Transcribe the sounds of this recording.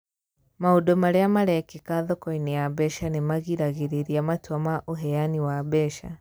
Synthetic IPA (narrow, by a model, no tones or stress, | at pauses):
maodɔmaɾeamaɾɛkikaðɔkɔinijabɛʃanemaɣiɾaɣeɾeɾiamatwamaʔoɦɛjaniwabɛʃa